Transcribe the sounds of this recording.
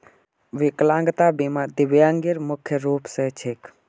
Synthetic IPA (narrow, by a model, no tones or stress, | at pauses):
ʋɪklãːŋɡt̪abimad̪ɪʋjãŋɡiɾmʊkʰjəɾuːpset͡ʃʰek